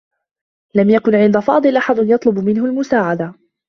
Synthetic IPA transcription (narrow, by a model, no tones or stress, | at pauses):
lamjakʊnʕɪnd̪afɑːd̪ˤɨlʔaħad̪njɑt̪ˤlʊbmɪnɦʊlmʊsaːʕad̪a